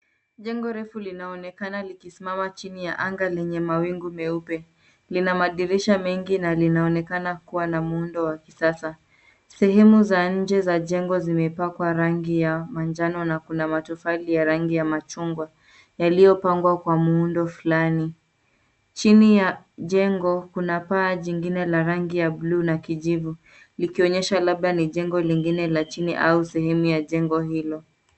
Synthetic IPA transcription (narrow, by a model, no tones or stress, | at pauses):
ʄɛŋɡɔɾɛfulinaɔnɛkanalikisimamat͡ʃinijaʔaŋɡalɛɲɛmawiŋɡumɛupɛ | linamaɗiɾiʃamɛŋɡinalinaɔnɛkanakuwanamuundɔwakisasa | sɛɦɛmuzaɲ̩d͡ʒɛzaʄɛŋɡɔzimɛpakwaɾaŋɡijamand͡ʒanɔnakunamatufalijaɾaŋɡijamat͡ʃuŋɡwa | jalijɔpaŋɡwakwamuundɔfulani | t͡ʃinija | ʄɛŋɡɔkunapaːʄiŋɡinɛlaɾaŋɡijabluːnakiʄivu | likiɔɲɛʃalab̚ɗaniʄɛŋɡɔliŋɡinɛlat͡ʃiniʔausɛɦɛmujaʄɛŋɡɔɦilɔ